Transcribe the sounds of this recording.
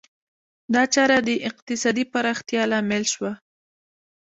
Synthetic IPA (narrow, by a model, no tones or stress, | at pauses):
d̪ɑt͡ʃɑɾad̪əʔɪqt̪ɪsɑd̪ipaɾɑxt̪jɑlamelʃwa